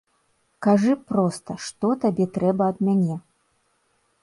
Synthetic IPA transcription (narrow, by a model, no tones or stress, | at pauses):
kaʐɨpɾɔst̪ɐʂt̪ɔt̪abʲɛt̪ɾɛbɐːd̪̚mʲanʲɛ